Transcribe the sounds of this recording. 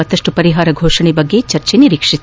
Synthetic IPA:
ɐt̪ːɐʂʈupɐɾiɦaːɾɐɡʱoːʂɐɳebɐɡːet͡ʃɐɾt͡ʃeniɾiːkʂi

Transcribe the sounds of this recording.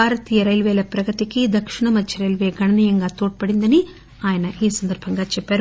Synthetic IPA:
aːɾɐt̪iːjɐɾɐjlʋeːlɐpɾɐɡɐt̪ikid̪ɐkʂiɳɐmɐdːiɾɐjlʋeːɡɐɳɐnijɐŋɡaːt̪oːʈ̚pɐɽind̪ɐni | aːjɐnɐʔiːsɐnd̪ɐɾbʱɐŋɡaːt͡ʃɛpːaːɾu

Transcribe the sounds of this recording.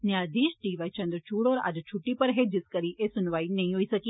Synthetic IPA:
njaːd̪iːʃʈiːʋaːit͡ʃɐ̃nd̪ɾt͡ʃuːɽoːɾa̰d͡ʒt͡ʃʰʊʈːipɐɾɦeːd͡ʒɪskɐɾiʔesʊnʋaːinɐ̃ĩɦoisɐkiː

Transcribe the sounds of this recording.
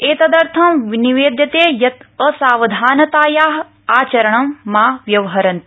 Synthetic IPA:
eːt̪ɐd̪ɐɾt̪ʰɐmʋiniʋeːd̪jɐt̪eːjɐt̪əsaːʋɐd̪ʱaːnɐt̪aːjaːɦ | aːt͡ʃɐɾɐɳɐmːaːʋjɐʋɐɦɐɾɐnt̪i

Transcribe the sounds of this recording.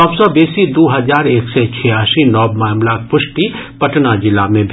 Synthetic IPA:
ɔːbsɔbeːsid̪oːɦɐzaːɾeːksɛt͡ʃʰɛjaːʃinɔːbmaːmlak̚pʊʃʈipɐʈnad͡ʒɪlamẽbʱ

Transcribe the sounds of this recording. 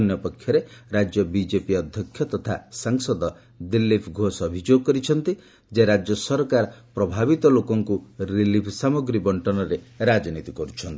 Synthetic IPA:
njɔpɔkʰːjɔɾeɾad͡ʒjɔbid͡ʒepiɔd̪ʱjɔkʰːjɔt̪ɔt̪ʰasaŋsɔd̪ɔ | d̪ilːipʰɡʱosɔbʱid͡ʒoɡɔkɔɾit͡ʃʰɔnt̪i | d͡ʒeɾad͡ʒjɔsɔɾkaɾɔpɾɔbʱabit̪ɔlokɔŋkuɾilipʰsamɔɡɾibɔɳʈɔnɔɾeɾad͡ʒɔnit̪ikɔɾut͡ʃʰɔnt̪i

